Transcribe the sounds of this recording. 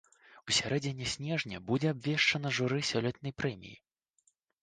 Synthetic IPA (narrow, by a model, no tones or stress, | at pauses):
usʲaɾɛd͡zʲinʲɛsʲnʲɛʐnʲɐbud͡zʲɛabvʲɛʂt͡ʂɐnɐʐuɾɨsʲɔlʲɛt̪nɐjpɾɛmʲḭjḭ